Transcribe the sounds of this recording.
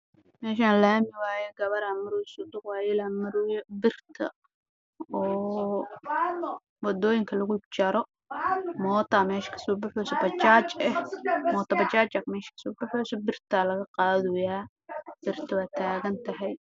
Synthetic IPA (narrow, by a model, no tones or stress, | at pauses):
mɛːʃaːnlaːmɪwaːjɔɡɐβɐɾaːmɐɾuːsʊd̪ʊqwaːjɛlɐmɐɾjbɪrt̪ʰɐ̰ | ɔː | wɑd̪ɔːjɪŋkʰɐlɐɣʊt͡ʃɐɾɔ | mɔːt̪ʰɐmɛːʃkʰɐ̥suːbʊħɔsɐbɐt͡ʃaːt͡ʃɛhmɔːt̪ʰɐbɐt͡ʃaːt͡ʃɐkmɛːʃɐ̥kʰɐ̥sʊːbʊħɔːsɔbɪrt̪ʰaːlɐɣɐqɑːðʊjaː | b̥ɪrt̪ʰɐwaːt̪ʰaːɣɐnt̪ʰɐɦɛj